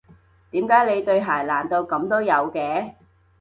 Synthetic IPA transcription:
t̪iː˨˥mkaː˨˥jle˨˧jt̪ɵ˧ɥɦaː˨˩jlaː˨˩nt̪o˧wkɐ˨˧mt̪o˥wjɐ˨˧wkɛː˨˧

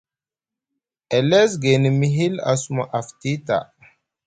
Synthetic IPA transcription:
e˨le˦sɡe˨ni˨mi˦ɦi˦la̰˨su˨˦ma˨ʔa˨fti˦ta̰˨

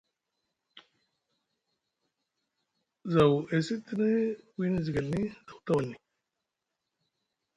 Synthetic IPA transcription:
za˨we˨si˦t̪i˦nə˦wi˦n˦zi˨ɡa˨lni˦da˨wu˨t̪a˦wa˨lːi˨

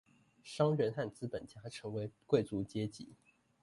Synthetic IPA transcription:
ʂɑ˥ŋɻə˧˥nxa˥˩nt͡sɹ̩˥pə˨˩nt͡ɕja˥ʈ͡ʂʰɤ˧˥ŋwe˧˥ɪkwe˥˩ɪt͡su˧˥t͡ɕjɛ˥t͡ɕḭ˧˦

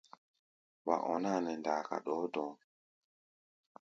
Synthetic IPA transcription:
wa̰˨ʔɔ˨na˦˨nɛ˨ndaː˨ka̰˨ɗɔː˨˦dɔ̃˨˦

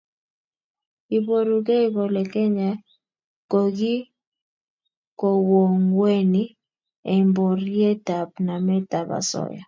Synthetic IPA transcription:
i˨bo˦ɾu˨ɡe˦i˦bo˨lɛ˨kɛ˦ɲa˨ | ko˨ɡɪ˦ | ko˨wo˨ŋwe˦ni˦ | ɛ˨mbɔ˨ɾje˦ta˨p̚na˨mɛ˦ta˨ba̰˨sɔ̰˦ja̰˨

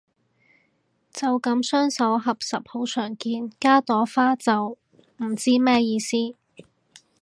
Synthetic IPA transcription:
t͡sɐ˨wkɐ˨˥msœː˥ŋsɐ˨˥wɦɐ˨p̚sɐ˨p̚ho˨˧wt͡ʃʰœː˨˩ŋkiː˧nkaː˥t̪ɔː˨˥faː˥t͡sɐ˨w | m̩˨˩t͡siː˥mɛː˥jiː˧siː˥

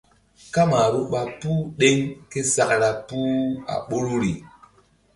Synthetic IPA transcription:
ka˦ma˨ɾu˦ɓa˦pu˦ɗe˦ŋke˦sa˦kɾa˦pu˦a̰˨ɓo˦ɾu˦ɾi˨

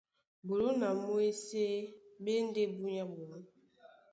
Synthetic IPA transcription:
bo˨lu˦na˨mo˦e˦se˦be˦n˦de˦bu˦ɲa˦bo˨lu˦

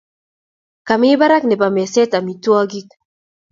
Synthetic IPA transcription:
ka˨mɪ˦ba˦ɾa˦knɛ˨pa˨mɛ˨sɛ˦ta˨mi˨twɔ˦ɡi˦k

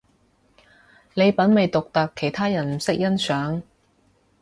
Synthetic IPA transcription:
le˨˧jpɐ˨˥nme˨jt̪ʊ˨k̚t̪ɐ˨kʰːe˨˩jt̪ʰaː˥jɐ˨˩nm̩˨˩sɪ˥k̚jɐ˥nsœː˨˥ŋ

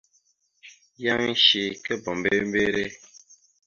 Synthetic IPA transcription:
ja˦ŋi˦ʃi˨kɛ˦bɔ˨m˨be˦m˦be˦ɾe˦

